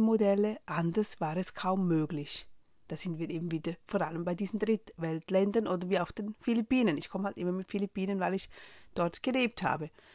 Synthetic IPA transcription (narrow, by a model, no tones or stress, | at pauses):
modɛləʔandɐsv̥aːʁɛskʰaʊmːøːɡlɪç | d̥aːz̥ɪntv̥iːɐʔeːbm̩viːdɐfoːɐɾaləmbaɪdiːzn̩dʁɪtvɛltlɛndɐnʔoːdəɐviːɐaʊfd̥eːnfilipiːnənɪçkʰɔməhaltʔɪmɐmɪtfilipiːnənvaɪlɪçd̥ɔɐtɡ̥əleːp̚tha̰ːbə